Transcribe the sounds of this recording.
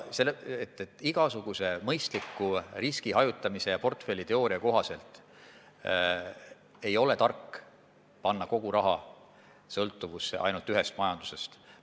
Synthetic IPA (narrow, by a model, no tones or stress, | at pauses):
selːeet̪ːˑet̪ːˑiɡ̥ɑsuɡ̥use̞mɤjst̪likːˑuriskiɦɑjut̪ːˑɑmise̞jɑpo̞rt̪ˑfe̞lːit̪e̞oːɾiɑko̞ɦɑse̞lt̪ˑ | e̞jo̞le̞t̪ɑrkː | pɑnːɑko̞ɡ̥uɾɑɦɑ | sɤlt̪ːˑuvusːḛʔɑ̰jnult̪yɦe̞st̪̚mɑjɑnd̪̥use̞st̪